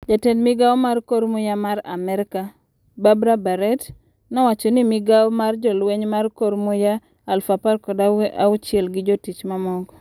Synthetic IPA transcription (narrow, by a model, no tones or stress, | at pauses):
d͡ʒatɛnmɪɡaɔmarkoɾmʊjamaɾa̰mɛɾka | babɾabaɾɛt | nɔwat͡ʃɔnimiɡaɔmard͡ʒɔlweɲmarkoɾmʊja | alfaparkɔdaaʊt͡ʃɪɛlɡɪd͡ʒɔtit͡ʃmamɔɡ